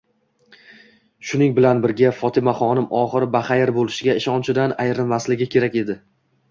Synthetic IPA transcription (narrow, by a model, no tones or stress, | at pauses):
ʃʊnɪŋbɪlanbɪɾɡʲafɒt̪ʰɪmaχɒnɪmʔɒχɨɾɪbaχajɪɾbolɪʃɪɡʲaɪʃɒnt͡ʃʰɪd̪anajɾɪnmaslɪɡʲɪkʲʰe̞ɾakʲe̞d̪ɪ